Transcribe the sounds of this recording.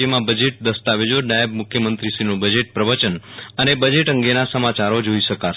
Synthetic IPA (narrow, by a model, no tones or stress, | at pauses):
əmãbəd͡ʒeʈ̚d̪əst̪aʋed͡ʒoɾnaeb̚mʊkʰjəmənt̪ɾiʃinũbəd͡ʒeʈ̚pɾəʋət͡ʃənənebəd͡ʒeʈəŋɡenasəmat͡ʃaɾod͡ʒoiʃəka